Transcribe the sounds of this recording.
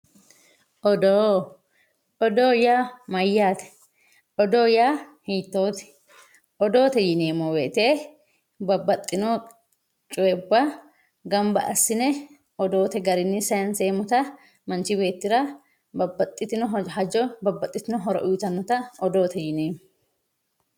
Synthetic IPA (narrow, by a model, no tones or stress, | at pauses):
ʔɔd̪oː | ɔd̪oːjaːmɐjːaːt̪ɛ̥ | ʔɔd̪oːjaːhiːt̪ːoːt̪ɛ̥ | ɔd̪o̞ːt̪ɛjɪneːmːɔwḛːt̪eː | bɐbːɐt̪ʼːɪno | t͡ʃʼʊwɛbːɐ | ɡɐmbɐ̰ʔɐsːɪnɛ | ʔɔd̪o̞ːt̪ɛɡɐɾɪnːɪsɐjɐnse̞ːmʊt̪ɐ | mɐnt͡ʃɪbe̞ːt̪ːɪɾɐ | bɐbːɐt̪ʼːɪt̪ɪnɔɦɐd͡ʒɔbɐbːɐt̪ʼːɪt̪ɪnɔɦɔɾɐ̰ʔʊjt̪ɐnːɔt̪ɐɔd̪o̞ːt̪ɛjɪneːmɔ